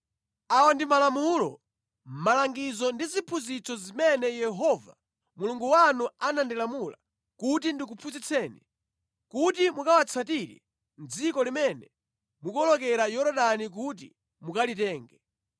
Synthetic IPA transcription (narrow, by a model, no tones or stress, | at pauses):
awandimalamulɔ̰ | m̩malaŋɡizɔndizipʰuzit͡sɔzimɛnɛjɛɦɔva̰ | muluŋɡuwanuanandilamula̰ | kut̬indikupʰuzit͡sʰɛːni | kutimukawat͡sʰatiɾḭ | nd͡zikɔlimɛnɛ | mukɔlɔkɛɾajɔɾɔɗanik̬ut̬ḭ | mukalitɛːŋɡɛ